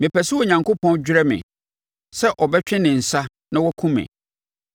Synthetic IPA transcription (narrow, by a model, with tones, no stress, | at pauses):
mɪ̃˨pʰɛ˨sɪ˦wɔ˨ɲã˨ŋkʰo˦pʰɔ̃˦nd͡ʑᶣɾɛ˦mɪ̰̃˨ | sɛ˦ʔɔ˨bɛ˦t͡ɕᶣɪ̃˦nɪ̃˨n̩˨sa˦ | nã˦wɔ˦kʰũ˦mɪ̰̃˨